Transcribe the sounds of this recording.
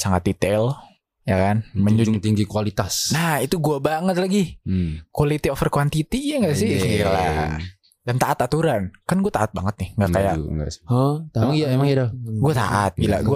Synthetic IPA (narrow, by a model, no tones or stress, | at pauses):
saŋat̪̚dit̪ɛl | jakanməɲd͡ʒud͡ʒt̪iŋɡikualit̪asnahit̪uɡuabaŋət̪̚laɡikwalit̪iofərkwant̪it̪iɲaŋɡaʔsɪsəkila | dant̪aʔat̪at̪uɾankanɡuat̪aat̪̚baŋət̪̚nɪhŋɡakaja̰ŋɡa̰ | maijaemaŋjadoɡuat̪a̰ʔat̪̚ila̰ɡua